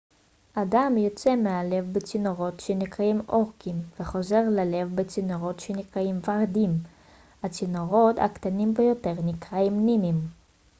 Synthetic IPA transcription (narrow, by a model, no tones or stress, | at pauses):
ʔadamjo̞t͡se̞meale̞vbet͡sinoʁo̞tʃenikʁaimo̞ʁkimveχo̞ze̞ʁlale̞vbet͡sinoʁo̞tʃenikʁaimvaʁdim | at͡sinoʁo̞t̪a̰kt̪animbejo̞te̞ʁnikʁaimninim